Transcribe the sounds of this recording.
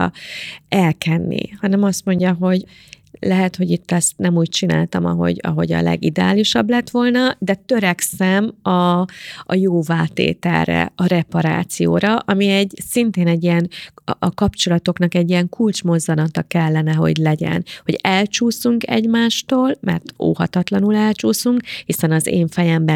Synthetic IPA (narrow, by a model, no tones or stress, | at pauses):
ɛlkɛnːḭhɒnɛmɒst̪mo̞ɲɟɒɦo̞ɟ | lɛɦɛt̪ho̞ɟit̪ːɛst̪nɛmuːc̚t͡ʃina̰ːlt̪ɒmɒ̰ɦo̞̰ɟɒ̰ɦo̞̰ɟɒ̰lɛ̰ɡid̪ɛa̰ːliʃɒblɛt̪ʋo̞lnɒd̪ɛt̪ø̞ɾɛksɛmɒʔːjoːvaːt̪ḛːt̪ɛ̰lrɛ̰ɒɾɛpɒɾa̰ːt̪sijo̰ːɾɒʔɒmiɛɟsint̪eːnɛɟːijɛnʔkɒpt͡ʃo̞lɒt̪o̞knɒkɛɟːijɛŋkult͡ʃmo̞zːɒnɒt̪ɒkɛlːɛnɛɦo̞̰ɟlɛɟɛ̰nho̞ɟɛlt͡ʃuːsuŋkɛ̰ɟmaːʃt̪oːlmɛ̰rt̪o̰ːhɒt̪ɒt̪lɒnulɛlt͡ʃuːsuŋkhisɛnɒzḛːɱfɛjɛmbɛ